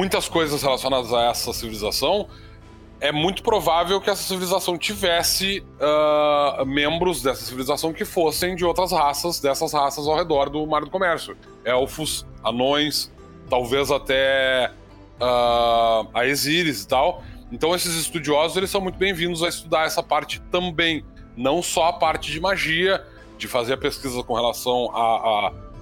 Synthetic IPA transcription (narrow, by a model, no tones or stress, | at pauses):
mũj̃t̪ɐskojzɐzhelasjõnad̪ɐzaɛsɐsivilizasɐ̃w̃ | ɛmũj̃t̪ʊ̥pɾovavewkɪɛsɐ̥sivilizasɐ̃w̃t͡ʃivɛsɪ | ɛ | mẽmbɾʊzd̪ɛsɐ̥sivilizasɐ̃w̃kɪfosẽj̃d͡ʒɪowt̪ɾɐzhasɐzd̪ɛsɐzhasɐzawhed̪ɔɾd̪ʊmaɾʊd̪ʊkomɛɾsjʊ | ɛwfʊsanõj̃s | t̪awvezat̪ɛ | a | aeziɾɪzɪt̪awẽnt̪ɐ̃w̃esɪzɪst̪ud͡ʒiɔzʊzelɪsɐ̃w̃mũt̪ʊbẽj̃vĩnd̪ʊzɐɪst̪ud̪aɾɛsɐpaɾt͡ʃɪ̥t̪ɐ̃mbẽj̃ | nɐ̃w̃sɔapaɾt͡ʃɪd͡ʒɪmaʒiɐ | d͡ʒɪfazeɾpeskizɐkõhelasɐ̃w̃aa